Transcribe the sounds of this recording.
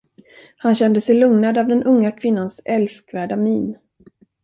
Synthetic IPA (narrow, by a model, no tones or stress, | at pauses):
hanɕɛnd̪əsɛjlɵŋnad̪avd̪ɛnʔɵŋːakʰvɪnːansɛlskvæːɖamiːn